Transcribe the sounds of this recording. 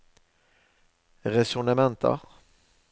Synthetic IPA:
ʁɛsʊnamɛnt̪ʰə̰ʁ

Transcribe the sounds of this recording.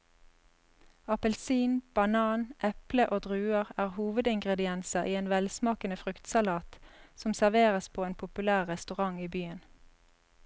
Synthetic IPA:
ɑpəlsiːnb̥ɑnɑːnʔɛpləʔoːd̪ʁʉːəʁæːʁhuːʋəd̪ɪŋɡʁɛd̪ɪɛnsəʔiːeːnʋɛlsmɑːkənəfʁʉkt̪sɑlɑːt̪sɔmsæʁʋeːʁəspʰoːeːnpʰʊpʉlæːʁʁɛst̪ʉʁɑŋiːbyːən

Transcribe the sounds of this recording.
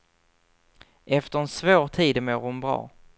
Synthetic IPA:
ʔɛft̪əɾɛnsvoːɾt̪ʰiːd̪moːɾhʊnbɾɑ̰ː

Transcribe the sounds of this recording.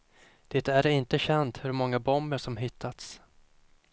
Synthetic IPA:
d̪̥eːt̪æɾɪnt̪əɕɛnt̪hɵɾmɔŋːabɔmbəʂɔmɦɪt̪ʰːat̪s

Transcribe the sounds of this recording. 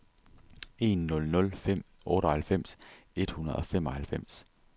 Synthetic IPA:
e̝̰ːnːɔ̽lnɔ̽lfem̰ | ʔɔ̽ːɾ̥əhælfem̰s | e̝d̥hunɐðˠɒ̽femɒ̽hælfem̰s

